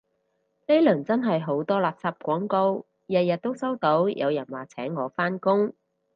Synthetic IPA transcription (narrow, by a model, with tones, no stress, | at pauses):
le˥lɵ˨˩nt͡sɐ˥nɦɐ˨jɦo˨˥wt̪ɔː˥laː˨p̚saː˧p̚kʷɔː˨˥ŋko˧w | jɐ˨t̚jɐ˨t̚t̪ːo˥wsɐ˥wt̪o˨˥wjʔɐ̰˨˧wjɐ˨˩nwaː˨˩t͡sʰɛː˨˥ŋːɔː˨˧faː˥nkʊ˥ŋ